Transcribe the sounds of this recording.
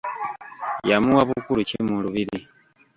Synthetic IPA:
jamuwaβukuluceimuluβiɾi

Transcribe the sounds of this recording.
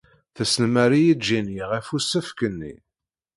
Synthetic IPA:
θæsənmæɾijid͡ʒinjiʁæfusəfkənːḭ

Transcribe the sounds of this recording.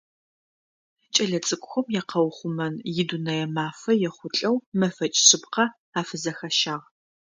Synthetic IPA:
t͡ʃʼɐɮɐt͡sʼɨkʷʼʊxʷɔmjɛqʰɐwχʷʊmɐnjɪdunɐjɛmaːfɐjɛχʷʊt͡ɬʼɐwmɐfɐt͡ʃʼɕɪpqɐ | aːfɐzɐxɐʃaːʁ

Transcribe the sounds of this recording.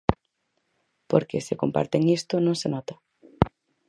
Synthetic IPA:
po̰ɾkeseko̰mpa̰ɾt̪eŋist̪ʊnõŋsenɔt̪ḁ

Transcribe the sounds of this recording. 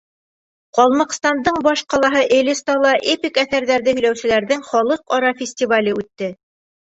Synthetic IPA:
qɒlˠmɤ̆qst̪ɑnd̪ɤɴbɑʃqɑlˠɑɦɤʔɘ̆lɘst̪ɑlˠɑʔepʲikæθæɾðæɾðɘhɵ̆jlæwsɘ̆læɾðɘŋχɒlˠɤqɒɾɑfʲɪsʲtʲivalʲəʉt̪ːɘ

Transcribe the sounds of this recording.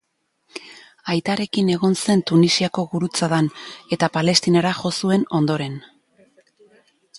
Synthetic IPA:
ajt̪aɾe̞kine̞ɣ̞o̞nse̞nt̪unisiako̞ɣuɾut͡saðane̞t̪apale̞st̪inaɾaxo̞sue̞no̞nd̪o̞ɾe̞n

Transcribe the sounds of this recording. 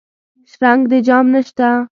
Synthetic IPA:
ʃɾaŋɡd̪ed͡ʒɑmnəʃt̪a

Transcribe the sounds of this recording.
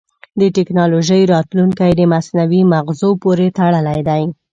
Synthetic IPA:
d̪əʈɪknɑloʒəjɾɑt̪luŋkajd̪əmasnawimaɣzopoɾet̪aɽəlajd̪aj

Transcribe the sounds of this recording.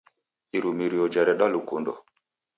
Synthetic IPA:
iɾumiɾiɔd͡ʒɛɾɛɗalukundɔ̰

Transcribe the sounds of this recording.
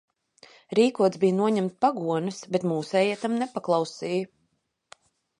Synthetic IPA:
ɾiːkuɔt̪zbijnuɔɲɛmt̪paɡuɔnɨsbɛt̪muːsɛːjiɛt̪amnɛpaklˠɑwsiːjə

